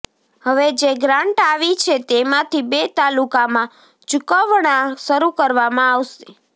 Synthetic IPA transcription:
həʋed͡ʒeɡɾãɳʈaʋit͡ʃʰet̪emãt̪ʰibet̪alukamã | t͡ʃukəʋɳ̃ãʃəɾukəɾʋamãaʋʃe

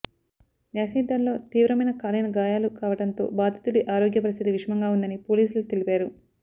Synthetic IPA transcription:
ʋjaːsiːd̪ʱːɐmlo̞ːt̪iːʋɾɐmɐjnɐkaːlinɐɡaːjaːlukaːʋɐʈɐnt̪o̞̰ːbaːd̪ʱɐt̪uɽiʔaːɾoːɡjɐpɐɾist̪id̪iʋiʂɐmɐŋɡaːund̪ɐnipo̞ːliːsulut̪elipaːɾu

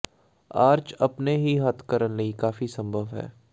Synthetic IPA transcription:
aːɾd͡ʒɐpneɦiɦɐt̪ʰkəɾənlɐikaːfisɐ̃mbʱəʋɦɛ̰ː

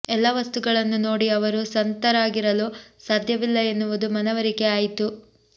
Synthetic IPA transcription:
ɛlːɐʋɐst̪uɡɐɭɐnːunoːɽiɐʋɐɾusɐnt̪ɐɾaːɡiɾɐluːsaːd̪ʱjɐʋilːɐe̞nːuʋud̪umɐnɐʋɐɾikeaːjit̪u

